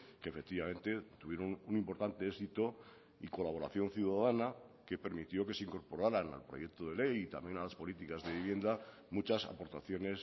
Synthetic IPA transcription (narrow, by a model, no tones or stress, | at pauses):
keefek̚t̪iβamẽ̞nt̪e̞t̪uβje̞ɾonunĩmpo̞ɾt̪ant̪e̞esit̪o | iko̞laβo̞ɾa̰θjo̞nθjuðaðanake̞pe̞ɾmit̪jo̞ke̞seiŋko̞ɾpo̞ɾaɾana̰lpɾo̞̰je̞k̚t̪oð̞e̞le̞jit̪a̰mje̞nalaspo̞lit̪ikazðe̞βiβje̞nd̪a | mut͡ʃasa̰po̞ɾt̪aθjo̞ne̞s